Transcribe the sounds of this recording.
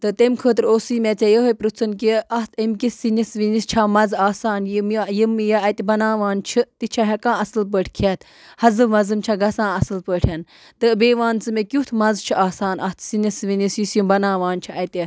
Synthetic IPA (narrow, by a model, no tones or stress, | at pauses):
t̪ɨt̪emʲkʰəːt̪ɾoːsiːmʲet͡sʲɐjəɦopɾut͡sʰɨnkiɐst̪ʰemkisinisʋinist͡ʃʰamɐzaːsaːnjmjimjɐɐt̪ʲibɐnaːʋaːnt͡ʃʰit̪it͡ʃʰaɦekãːɐsɨlp̬əʈʰʲkʰet̪ | hɐzɨmɐzɨmt͡ʃʰaɡɐsãːɐsɨlpəːʈʰɐn | t̪ɨbeːʋaːnt͡sɨmekʲut̪ʰmɐzt͡ʃʰiʔaːsaːnʔɐst̪ʰsinisʋinisjusjumbɐnaːʋaːnt͡ʃʰiɐt̪ʲi